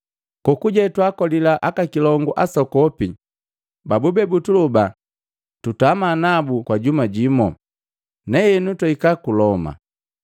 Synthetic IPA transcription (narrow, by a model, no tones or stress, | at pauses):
kɔkuɟɛtwakɔlilaʔakakilɔŋɡuʔasɔkɔpi | babubɛbutuluba | tutamanabukwaɟumaɟimɔ | nɛjɛnutɔikakulɔma̰